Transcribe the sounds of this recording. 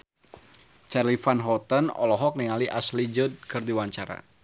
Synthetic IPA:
t͡ʃarlifanɦɔt̪ənɔ̰lɔɦɔk̚niŋaliʔaslid͡ʒud̪̚kɨrdiwaɲt͡ʃaɾa̰

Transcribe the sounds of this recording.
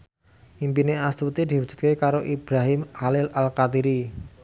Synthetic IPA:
ʔimpineast̪ut̪id̪̥i̤wudd͡ʒ̥ṳ̥t̪̚kekaɾoʔib̥ɾaɦɪmhalɪlalkat̪iɾi

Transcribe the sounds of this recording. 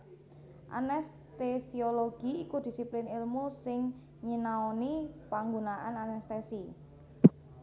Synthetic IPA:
ʔa̰nɛs | t̪esioloɡ̥iikud̪̥i̤siplɪnɪlmusɪŋ | ɲinaonipaŋɡunaʔananɛst̪esi

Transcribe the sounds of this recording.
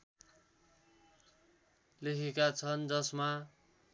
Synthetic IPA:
lekʰekat͡sʰʌnd͡zʌsma

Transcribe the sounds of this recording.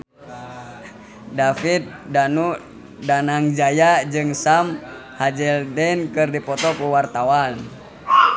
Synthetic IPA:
dafit̪̚danu | danaŋd͡ʒajad͡ʒɨŋsam | had͡ʒɛldɛnkɨrdipɔt̪ɔkuwart̪awan

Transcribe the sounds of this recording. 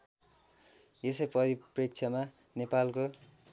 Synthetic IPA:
jesʌjpʌɾiprik̚t͡sʰʌma | nepalko

